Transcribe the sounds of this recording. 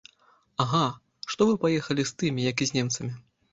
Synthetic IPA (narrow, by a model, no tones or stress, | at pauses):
aɣa | ʂt̪ɔvɨpajɛxɐlʲist̪ɨmʲijɐkizʲnʲɛmt̪sɐmʲi